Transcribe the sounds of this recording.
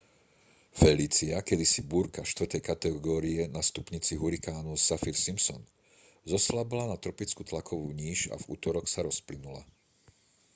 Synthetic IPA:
fɛliːt͡siakɛd̪isibuɾkafʃt̪ʋr̩t̪ɛjkat̪ɛɡɔːɾiɛnast̪upɲit͡siɦuɾikaːnusafiɾsimpsɔn | zɔslabilanat̪ɾɔpit͡skut̪lakʰɔʋuːɲiːʒa̰vṵːt̪ɔɾɔxsaɾɔsplinula̰

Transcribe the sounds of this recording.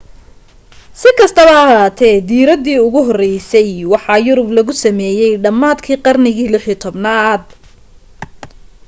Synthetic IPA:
sɪkʰɐst̪ʰɐβɐɐɦaːt̪ʰɛd̪iːɾɐd̪iːʊɣʊɦɔrɛjsɛjwɑħɑːjʊɾʊblɐɣʊsɐmɛːjɛjɖɐmːaːd̪kʰiːqɑrnɪɣiːlɪħiːt̪ʰɔbnaːd̪̚

